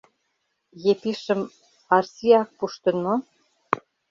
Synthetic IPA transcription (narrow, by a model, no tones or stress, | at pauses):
jepiʃə̆m | ɑrsiɑk̚puʃt̪ə̆no